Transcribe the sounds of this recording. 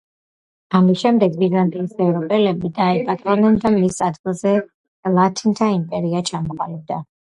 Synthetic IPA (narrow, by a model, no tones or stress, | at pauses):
amisʃɛmd̪ɛɡviɾlˠant̪ʼiisɛvɾɔpʼɛlɛbid̪aɛpʼat̪ʼɾɔnɛnd̪amisad̪ɡilˠzɛ | lˠat̪ʰint̪ʰaimpʼɛɾiat͡ʃʰamɔqʼalɛb̚d̪a